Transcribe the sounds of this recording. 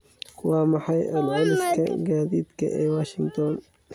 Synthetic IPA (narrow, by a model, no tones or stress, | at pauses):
wɑːmɑħɑjʔɐlʕʊlɪskʰɐ̰ɡaːðiːd̪kʰɐ̰ʔɛːwaːʃɪŋt̪ʰɔn